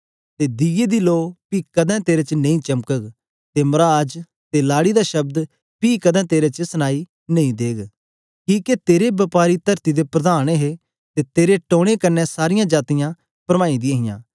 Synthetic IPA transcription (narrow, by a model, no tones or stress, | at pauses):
t̪ed̪ɪjed̪iloːpiːkɐd̪ʱɛ̃t̪eːɾet͡ʃnɐ̃ĩt͡ʃɐmkəɡ | t̪emɐɾad͡ʒ | t̪elaːɽid̪aʃɐb̚d̪ | piːkɐd̪ɛ̃ːt̪eːɾet͡ʃəsɐnaːi | nɐ̃ĩd̪eːɡ | kĩːket̪eːɾebɐpaːɾit̪ɐɾt̪id̪epɾɐd̪aːñeɦe | t̪et̪eːɾeʈoːɽ̃ekɐnːɛsaːɾɪjãd͡ʒaːt̪ɪjã | pɾɐmãːid̪ɪãːɦɪjã̰ː